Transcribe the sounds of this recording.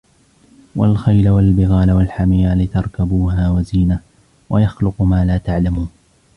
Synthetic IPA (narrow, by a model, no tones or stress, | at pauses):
wa̰lxajlawalbɪɣaːlawalħamɪːalɪt̪ɑɾˤkabuːɦaːwaziːna | wajaxlʊqmaːlaːt̪aʕlamuːn